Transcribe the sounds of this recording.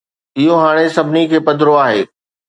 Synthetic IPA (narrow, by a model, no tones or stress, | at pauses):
ɪɦoɦaːɽ̃esɐbʱɪnikʰeːpɐd̪ʱɾoaːɦeː